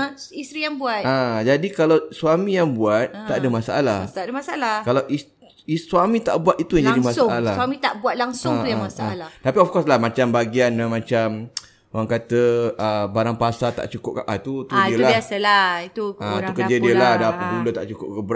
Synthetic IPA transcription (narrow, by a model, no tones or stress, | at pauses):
ist̪ɾijaŋbuat̪ãd͡ʒadikalawsuamĩjaŋbuat̪̚ːaʔadəmasaʔalaht̪adəmasaalakalawʔi | isuamĩt̪a̰ʔbuat̪it̪ujaŋd͡ʒadimasʊaalawamĩt̪aʔbuat̪̚laŋsʊŋujamasaalat̪apiɔfkɔslahmãt͡ʃambaɡianamãt͡ʃam | oaŋkat̪əəbaɾaŋpasat̪a̰ʔt͡ʃukʊp̚kaʔat̪ut̪udiəlabiasəlait̪ukãaukəd͡ʒədiəladapəɡulut̪aʔt͡ʃukʊp̚kəb